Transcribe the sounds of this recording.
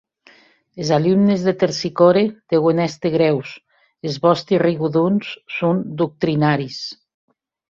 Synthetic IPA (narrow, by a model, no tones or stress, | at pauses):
ezalumnezðet̪eɾsikoɾeð̥eɣonɛst̪eɣɾɛws | ezβɔst̪iriɣuðunsːund̪uk̚t̪ɾinaɾis